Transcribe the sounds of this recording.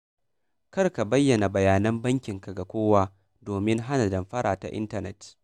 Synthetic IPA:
kɐ˦rka˨bɐ˦jːɐ˨na˨bɐ˨jaː˨nɐ˦mbɐ˦ŋkʲɪ˨ŋka˨ɡa˨kʷoː˦waː˦ | doː˨mɪ˦ŋɦa˦na˨dɐ˨mɸɐ˦ɽʔa̰ː˨ta̰˨ʔɪ̰˦ntɐ˨nɛ˨t

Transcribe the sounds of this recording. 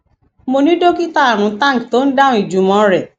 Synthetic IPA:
mo˧nĩ˦do˦ki˦ta˦a˨ɾ̃ũ˨˦tã˦˨kto˦n̩˦dã˦ũ˦i˨d͡ʒu˨˦mɔ̃˧˦ɾɛ˨

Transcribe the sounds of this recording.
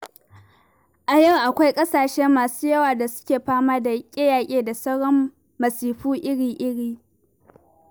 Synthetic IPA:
ʔa˨jɐ˦˨wʔa˨kʷa˦jkʼɐ˦saː˨ʃɛ˦mːaː˨suː˦jɐ˦waː˨da˨sʊ̥˦kʲeː˨ɸaː˦maː˦da˨kʲʼɪ˦jaː˨kʲʼeː˦˨da˨sɐ˦ɽɔ˦mː | ɐ˨siː˨ɸuː˦ʔɪ˦ɽiː˨ʔɪ˦ɽiː˦

